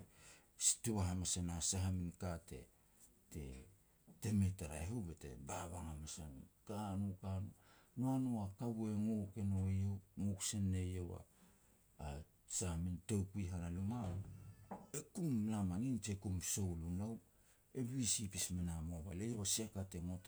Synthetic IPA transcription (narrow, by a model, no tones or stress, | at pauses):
tuβaɦamasanasaɦaminkate̞̰ | te̞̰ | teme̞taɾa̰eɦobete̞̰baβaŋamasankanukanunoanoakaβue̞ŋoke̞nojewŋoksenːejowa̰ː | sahamintowkuiɦanaluma | ekumlamanint͡ʃekumsowlunaw | e̞βiisipismenamoβalejewasekate̞ŋot